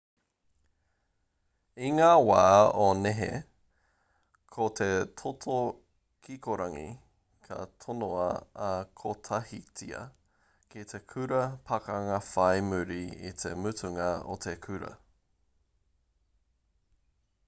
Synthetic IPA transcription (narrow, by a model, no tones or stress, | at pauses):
iŋaːwaːoneɦḛ | kʰot̪ʰet̪ʰotʰo | kʰikoɾɐŋḭ | kʰɐ̰t̪ʰonoɐ̰ɐkʰotʰɐhit͡siɐ̰ | kit̪ʰekʰʉɾɐpʰɐkɐŋɐfɐjmʉɾiḭt̪ʰḛmʉtʉŋɐo̰t̪ʰekʰʉɾɐ̰